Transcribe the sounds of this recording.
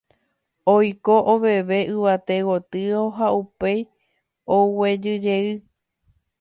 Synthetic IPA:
ojkoʔoβe̞ʋe̞ʔɨʋat̪e̞wot̪ɨoɦaupej | owe̞d͡ʒɨd͡ʒe̞ɨ

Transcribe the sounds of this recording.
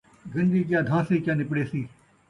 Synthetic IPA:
ɡə̃nd͡ʒiːk̬jaːd̪ʱãːsiːkjãːnɪpɽeːsiː

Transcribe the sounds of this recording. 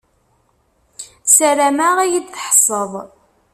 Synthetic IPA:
sæɾæmæʁæjid̪θħsˤəðˤ

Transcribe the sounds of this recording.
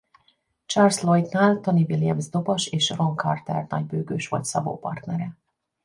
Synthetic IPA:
t͡ʃarslojt̪naːlt̪onivilijɛmzd̪o̞bɒʃeːʃro̞ŋkʰɒrt̪ɛ̰rnɒɟ̚bøːɡøːʃʋɒ̰cʲsɒbo̰ːpɒrt̪nɛɾɛ

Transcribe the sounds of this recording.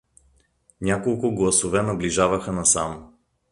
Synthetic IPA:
nʲakolˠkʊɡlˠɐsovɛnɐbliʒavəxənɐsam

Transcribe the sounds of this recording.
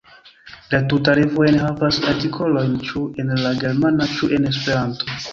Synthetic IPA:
latutaɾivojenɦavasaɾtikʰo̞lo̞jnt͡ʃue̞nlaɡe̞ɾmanat͡ʃuʔe̞ne̞spe̞ɾanto̞

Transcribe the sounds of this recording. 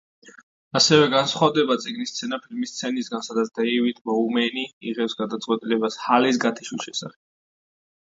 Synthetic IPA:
asɛvɛɡansχwavd̪ɛbat̪sʼiɡnist̪sʰɛnapʰilmist̪sʰɛnisɡansad̪at̪sʰd̪ɛivit̪ʰmɔumɛniiʁɛpsɡad̪at̪sʼqʼwɛt̪ʼilɛbashalisɡat̪ʰiʃuʃɛsaχɛ̥b̥

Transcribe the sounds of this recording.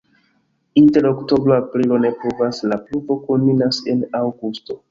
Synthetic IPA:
inte̞ɾokto̞bɾoapɾilo̞ne̞puvaslapluvo̞konminase̞nawɡusto̞

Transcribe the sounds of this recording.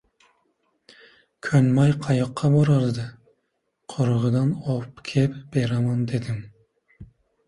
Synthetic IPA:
kʲʰønmɑjqʰɑjoqʰːɑboɾɑɾd̪ɨ | qʰoɾəʁəd̪ɑnopkʲʰɛpb̥eɾɑmɑnd̪ed̪ɪm

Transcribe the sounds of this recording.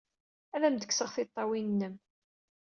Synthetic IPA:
æðæmd̪əkːsəʁθɪt̪ˤːɑwinnːəm

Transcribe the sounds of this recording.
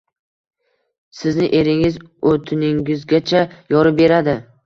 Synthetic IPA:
sɪznɪʔe̞ɾɪŋɪzɵt̪ʰɪnɪŋʲɪzɡʲat͡ʃʰajɒɾɪbe̞ɾad̪ɪ

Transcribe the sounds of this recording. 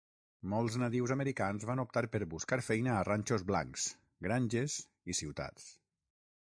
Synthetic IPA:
mɔlˠznat̪iwzaməɾikanzβanup̚t̪aɾpəɾβuskaɾfɛjnəːranʲt͡ʃozβla̰ŋks | ɡɾanʲʒez | isiwt̪a̰t͡s

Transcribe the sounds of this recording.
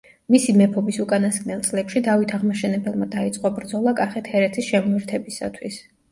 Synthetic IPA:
misimɛpʰɔbisukʼanasɡʼnɛlˠt̪sʼlɛpʃid̪avit̪ʰaʁmaʃɛnɛbɛlˠmad̪ait̪sʼqʼɔbɾd̪zɔlˠakʼaχɛt̪ʰhɛɾɛt̪ʰisʃɛmuɛɾt̪ʰɛbisa̰t̪ʰwis

